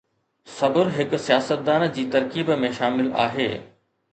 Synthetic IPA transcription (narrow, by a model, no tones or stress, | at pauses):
sɐbəɾɦɪksijaːsət̪̚d̪aːnd͡ʑiːt̪ɐɾkiːbmẽʃaːmɪla̰ːɦḛː